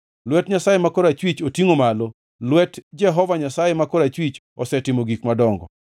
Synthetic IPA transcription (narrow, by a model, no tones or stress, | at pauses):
lwɛtɲasajemakoɾat͡ʃwit͡ʃotiŋomalo | lwɛtd͡ʒɛɦɔvaɲasajemakoɾat͡ʃwit͡ʃ | ɔsɛtɪmoɡikmadɔŋɡɔ̰